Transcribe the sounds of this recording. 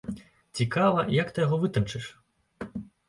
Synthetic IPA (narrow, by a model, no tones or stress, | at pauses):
t͡sʲikavɐjɐkt̪ɨjɐɣɔvɨt̪ɐnt͡ʂɨʂ